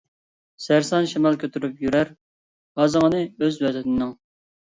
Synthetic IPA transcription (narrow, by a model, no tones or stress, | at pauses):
sæɾsɑnʃimɑlˠkʲʰøt̪ʰyɾypjyɾæɾ | hɑzəŋənɨøzwæd̪ɪt̪ʰɪnɪŋ